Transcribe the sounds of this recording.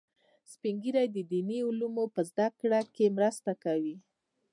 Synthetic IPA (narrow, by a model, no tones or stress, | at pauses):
spiŋɡiɾajd̪əd̪iniulumopəzd̪akɽakemɾast̪akawi